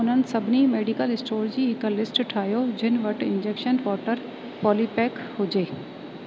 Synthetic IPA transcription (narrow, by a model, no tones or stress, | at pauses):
ʊn̤ənɪ̆sɐbʱɪnimeːɖikəlɪsʈoːɾd͡ʑiːɦɪklɪsʈʈʰaːɦijod͡ʑɪnɪ̆ʋɐʈɪ̃nd͡ʑeːkʃənkɔːʈəɾ | pɔːliːpɛːk | ɦʊd͡ʑeː